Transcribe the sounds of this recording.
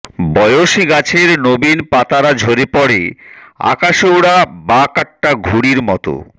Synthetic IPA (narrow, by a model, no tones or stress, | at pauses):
bɔjoʃiɡat͡ɕʰeɾnobinpat̪aɾad͡ʑʱoɾepɔɽḛa̰kaʃowɽabakaʈːaɡʱuɽiɾmɔt̪o̰